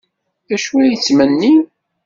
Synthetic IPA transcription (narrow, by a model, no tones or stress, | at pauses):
æʃuæjət͡sːmənːi